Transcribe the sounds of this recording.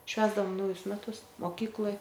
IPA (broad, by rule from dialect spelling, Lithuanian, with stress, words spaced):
ˈʃʲʋʲæːzdɐʋoːm ˈnɐʊjʊs mʲɛˈtʊs moːˈkʲiːklˠoːj